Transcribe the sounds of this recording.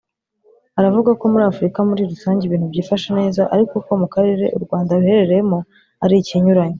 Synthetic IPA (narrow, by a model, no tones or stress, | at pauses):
aɾavuɡako̞muɾaːfuɾikamuɾiɾusaːɲɟeβiːn̥hubɟiːfaʃane̞ːzaʔaɾiko̞ko̞mukaɾe̞ɾe̞̰ʔṵɾɡwaːndaɾuhe̞ɾe̞ɾejemo | aɾiciɲuɾaɲe